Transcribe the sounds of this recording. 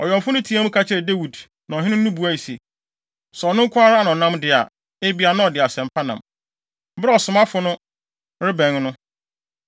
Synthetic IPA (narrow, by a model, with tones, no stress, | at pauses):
ɔ˨jɔ̃˨mfʊ˦nʊ̃˦tʰi˨˦a˦mũ˦kʰa˦t͡ɕʰɪ˦ɾɛ˨de˦wu˨d | nã˨ɔ˨ɦɪ˦nɪ̃˦ũ˦bu˨a˦i˨se˨ | sɛ˨ɔ˨nʊ̃˦ŋ̩˦kʰʷʊ˦a˦ɾa˦a˦nã˨ɔ˨nã˦mdɪ˨a̰˨ | e˦bi˦a˨nã˦ɔ˨dɪ˨a˨sɛ̃˨m˨pʰa˦nã̰˨m̩˦ | bɪ˦ɾɛ˦ɔ˨sʊ˨mã˦fʊ˨nʊ̃˦ | ɾɪ˦bɛ̃˨ŋnʊ̃˦